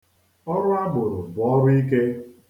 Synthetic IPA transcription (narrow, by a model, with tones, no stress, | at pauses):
ɔ˦ɾʊ˦a˦bʊ˨ɾʊ˨bɔ˨˦ɾʊ˦i˦k̬e˦